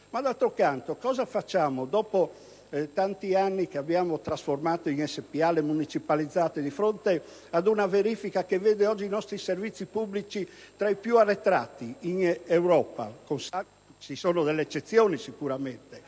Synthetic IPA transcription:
mad̪alt̪ɾokant̪okɔːzafat͡ʃːaːmod̪ɔːpo | t̪ant̪ianːikeabːjaːmot̪ɾasformaːt̪oiŋɛsːepialːemunit͡ʃipalid̪zːaːt̪ed̪ifɾont̪e | ad̪unaveɾifikakevːeːd̪eɔd͡ʒːinɔst̪ɾiservit̪sːipublit͡ʃi | t̪ɾaipjuarːet̪ɾat̪ːiiŋewɾɔːpa̰konsa | t͡ʃisɔːnod̪elːeet͡ʃːet̪sːjɔːnisikuɾament̪e

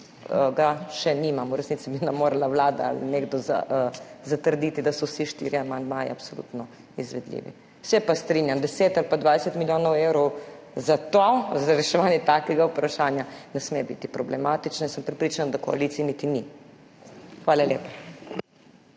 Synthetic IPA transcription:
ɡaʃɛnimamuɾɛsnit̪sibinɛmoːɾalawlaːd̪a̰a̰lḭneɡd̪ɔza̰zat̪əɾd̪iːt̪id̪asɔsiʃt̪ḭːɾiamand̪maːjɛ̰apsolṵːt̪nɔ | izʋɛd̪lḭːʋḭ | wsɛpast̪ɾiːnjamd̪ɛseːt̪alpad̪ʋaːd̪sɛt̪miljoːnɔwewɾɔw | zat̪ozaɾɛʃɛʋanjɛt̪akɛɡaupɾaʃaːnjanɛsmebḭt̪ipɾɔblɛmat̪it͡ʃnɛnsəmpɾɛpɾiːt͡ʃanad̪akɔa̰lit̪ijɛnit̪ini | xʋaːlaleːpa

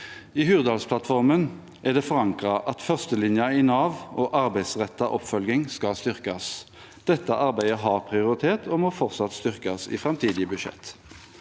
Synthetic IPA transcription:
iːhʉːʁd̪ɑːlspʰlɑt̪fɔʁmən | ʔæʁd̪ɛfɔɾɑŋkʁɑʔɑt̪fœʁst̪əlɪnjɑɪnɑːʋʔoːʔɑɾbæɪd̪sʁɛt̪ːɑʔɔpːfœlɡɪŋskɑlst̪ʏʁkɑs | d̪̥ɛt̪ːəʔɑɾbæɪd̪əɦɑʁpʰʁɪʊɾɪt̪ʰeːt̪ʰoːmɔfɔʁt̪sɑt̪st̪ʏʁkɑsɪ̰fʁɑmt̪ʰiːd̪ɪəbʉʃɛ̰t̪ː

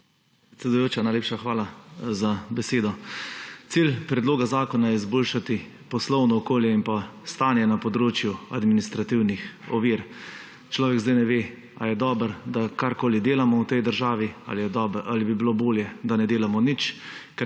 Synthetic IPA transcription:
pɾɛt̪sɛd̪ujoːt͡ʃanajleːpʃaxʋaːlazabɛseːd̪ɔ | t̪silpɾɛd̪loːɡazaːkɔnajɛizboːlʃat̪i | pɔslɔwnɔːkoːljɛimpast̪aːnjɛnapɔd̪ɾoːt͡ʃjua̰d̪minist̪ɾat̪iwnixɔʋiɾ | t͡ʃlɔːʋɛɡzd̪ajnɛʋeː | ajɛd̪ɔːbəɾd̪akaɾkoːlid̪eːlamɔwt̪ɛjd̪əɾʒaːʋiaɛʔalibibiloboːljɛd̪anɛd̪eːlamɔnit͡ʃkɛ

